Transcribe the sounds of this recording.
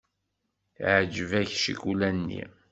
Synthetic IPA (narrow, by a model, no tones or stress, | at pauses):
ʕd͡ʒəvæçʃḭkulænːḭ